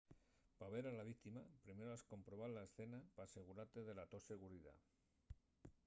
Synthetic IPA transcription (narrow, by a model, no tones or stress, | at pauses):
paβ̞e̞ɾalaβ̞ik̚t̪imapɾime̞ɾoasko̞mpɾo̞βalaesθe̞napaːse̞ɣ̞uɾaɾt̪e̞ðe̞lat̪o̞se̞ɣ̞uɾiða̰